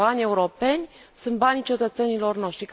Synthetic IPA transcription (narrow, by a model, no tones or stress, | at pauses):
anʲe̞uɾo̞pe̞nʲ | sunt̪̚banʲit͡ʃe̞t̪ət̪se̞nilo̞rno̞ʃt̪ɾik